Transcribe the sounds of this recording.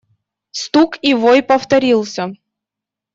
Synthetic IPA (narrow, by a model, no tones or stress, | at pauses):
st̪ukivojpəft̪ɐɾʲilˠsʲə